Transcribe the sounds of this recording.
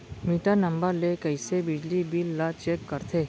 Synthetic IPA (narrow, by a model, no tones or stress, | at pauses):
miʈanɐ̃mbəɾlekəisebɪd͡ʒlibilːat͡ʃekːəɾt̪ʰeː